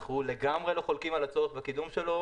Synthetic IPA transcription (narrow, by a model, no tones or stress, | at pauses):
χule̞ɡamʁe̞lo̞χo̞lkimalat͡sotbakid̪umʃe̞lo̞